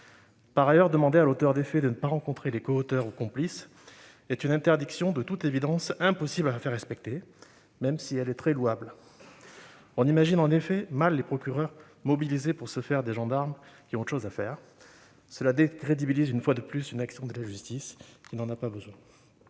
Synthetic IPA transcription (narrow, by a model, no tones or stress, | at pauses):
paʁajœʁd̪əmɑ̃d̪ealot̪œʁd̪efɛd̪ənəpaʁɑ̃kɔ̃t̪χelekɔot̪œʁukɔ̃plis | ɛt̪ynɛ̃t̪ɛʁd̪iksjɔ̃d̪ət̪ut̪evid̪ɑ̃sɛ̃pɔsiblafɛʁːɛspɛk̚t̪e | mɛmsiɛlɛt̪χɛluabl | ɔ̃nimaʒinɑ̃nefɛmalːepχɔkʲyʁœʁ | mɔbilizepuʁsəfɛʁd̪eʒɑ̃d̪aʁmkʲiɔ̃t̪ʃozafɛːʁ | səlad̪ekχed̪ibilizynfwad̪əplysynaksjɔ̃d̪əlaʒyst̪iskʲinɑ̃napabəzwɛ̃